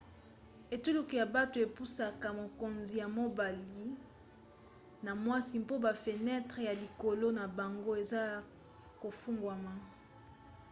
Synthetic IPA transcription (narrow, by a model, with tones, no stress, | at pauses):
e˨tu˦lu˨ki˨ja˨ba˦to˨e˨pu˦sa˨ka˨mo˨ko˨nzi˨ja˨mo˦ba˨li˨ | na˨mwa˦si˨m˦po˦ba˨fe˨nɛ˦tʁe˨ja˨li˨ko˨lo˦na˨ba˨ŋɡo˦e˨za˦ | ko˨fu˦ŋɡwa˨ma˦